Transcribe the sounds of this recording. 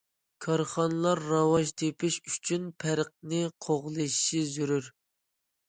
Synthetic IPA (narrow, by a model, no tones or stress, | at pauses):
kʰɑɾχɑnɨlˠɑɾːɑwɑʒt̪ʰepɪʃyt͡ʃʰynpʰæɾq̚nɨqʰoʁlˠɨʃʃizyɾyɾ